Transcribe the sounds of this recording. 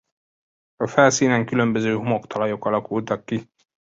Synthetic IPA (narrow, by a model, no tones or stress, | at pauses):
ɒfɛlsiːnɛŋkylø̞mbø̞zøːɦumokt̪ʰɒlɒjo̞kɒlɒkult̪ɒkːi